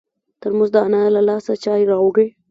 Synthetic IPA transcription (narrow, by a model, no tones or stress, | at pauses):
t̪əɾmʊzd̪əanalalɑsat͡ʃɑjɾɑɡe